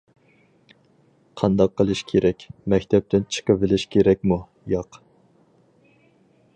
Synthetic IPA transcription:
qʰɑnd̪ɑqʰːəlˠɨʃkʲʰeɾʔɛkʲmɛkʲt̪ʰɛp̚t̪ʰɪnt͡ʃʰə̥qəvɪlɪʃkʲʰeɾɛk̚ʲmu | jɑq

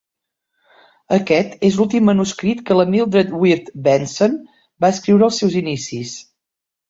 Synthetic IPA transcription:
əkɛt̪ezlulˠt̪imːənuskɾit̪kələmilˠd̪ɾət̪wiɾt̪bɛnson | baəskɾiwɾəlˠsɛwzinisis

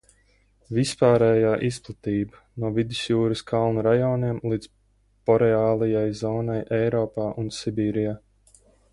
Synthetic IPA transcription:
vispaːɾɛːjaːʔisplˠat̪iːba | nuɔvid̪ɪsjuːɾɨskʰalˠnuɾajɔːniɛmlˠiːd̪z | pɔɾɛaːlˠijajzɔːnajʔɛjɾɔːpaːʔunsibʲiːɾijaː

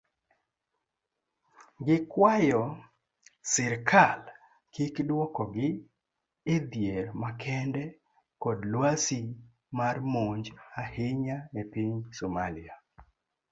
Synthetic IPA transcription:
ɡɪkwajɔ | sɪɾkʰal | kikdwɔkɔɡɪː | d̪jeɾmakʰɛndɛ | kɔdlwasi | marmoɲd͡ʒahɪɲaɛpiɲsomalɪa

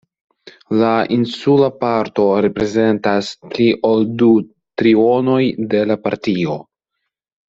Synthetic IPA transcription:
laʔinsulapaɾto̞ɾe̞pɾe̞ze̞ntaspliʔoldu | tɾio̞no̞jde̞lapaɾtio̞

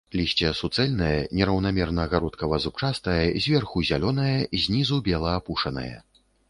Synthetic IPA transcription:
lʲisʲt͡sʲɛsut̪sɛlʲnɐjɐnʲɛɾɐwnamʲɛrnɐːɣaɾɔt̪kɐvazup̚t͡ʂast̪ɐjɐzʲvʲɛrxuzʲalʲɔnɐjɐizʲnʲizubʲɛlˠɐːpuʂɐnɐ̰jɐ̰

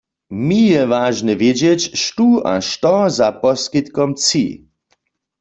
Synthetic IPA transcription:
mijɛʋaːʒnɛʋjed͡ʑjɛt͡ɕʃtua̰ʃt̪ɔzapɔskit̪kɔmt͡sḭ

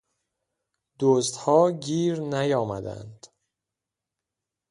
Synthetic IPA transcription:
d̪̥oːst̪hɒːɟiːɾnæjɒːmæd̪æ̰nd̪̥

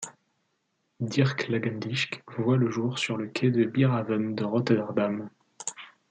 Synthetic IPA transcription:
d̪iʁklaɡɛnd̪iʃkvwaləʒuʁsyʁləkʲʰɛd̪əbiʁavəmd̪əʁɔt̪ɛʁd̪am

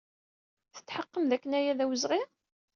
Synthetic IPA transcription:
θə̥t̪ːħəqːəmðækːənæjæðæwəzʁi

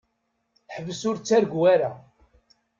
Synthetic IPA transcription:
ħəvəsʊɾt͡sːæɾɡwaɾa

